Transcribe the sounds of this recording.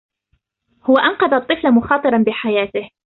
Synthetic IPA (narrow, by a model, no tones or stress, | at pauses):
hʊwaʔɑnqɑðɑt̪ˤːɨflamʊxɑːt̪ˤɨɾˤɑnbɪħajaːt̪ɪh